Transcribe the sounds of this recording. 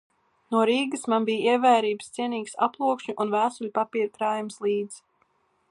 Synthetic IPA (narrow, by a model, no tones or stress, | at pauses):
nuɔɾiːɡɨsmanbijiɛvæːɾiːbɨst̪siɛniːksa̰plˠuɔkʃɲuʔunvæːsuʎʲpapiːɾkɾaːjumslˠiːd̪z̥